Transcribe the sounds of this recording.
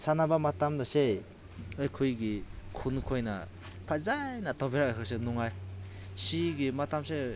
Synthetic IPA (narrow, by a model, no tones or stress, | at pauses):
sanabamatamdɔse | ɯjkʰujɡikʰunkʰojna̰ | pʰazajnatʰɔbʰeɾak̚akʰas̬enɔŋaj | siɡimatamse